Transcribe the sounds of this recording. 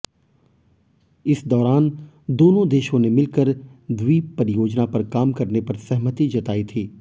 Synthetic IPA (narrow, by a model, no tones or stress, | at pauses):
ɪsd̪ɔːɾaːn | d̪oːnõd̪eːʃõnemɪlkəɾd̪wipɐɾɪjoːd͡ʒnapɐɾkaːmkɐɾnepɐɾsɐɦmət̪id͡ʒɐt̪aːit̪ʰiː